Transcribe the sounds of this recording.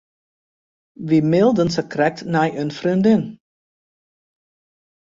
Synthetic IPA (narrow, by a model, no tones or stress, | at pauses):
ʋimɪlˠdənsəkrɛk̚tnɛjʔønfrindɪn